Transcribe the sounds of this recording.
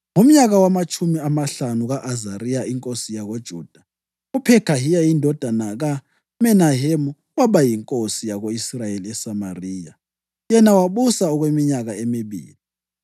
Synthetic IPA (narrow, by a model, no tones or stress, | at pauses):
ŋum̩ɲaɣawamat͡ʃʰʼumiamaɬanuɣaʔazarijaiŋkʼosijaɣod̥ʒ̥ʱuːd̥ʱa | upʰɛkʰaɦijajindʱɔd̥ʱanaɣa | mɛnaɦemu | waɓajiŋkʼosijaɣoisrajeliɛsama̰riːja | jɛnawaɓusaɔɣwemiɲaɣaemiβḭːli